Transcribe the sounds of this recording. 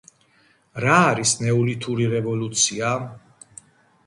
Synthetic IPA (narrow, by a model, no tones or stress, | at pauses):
ɾaːɾisnɛulit̪ʰuɾiɾɛvɔlut̪sʰia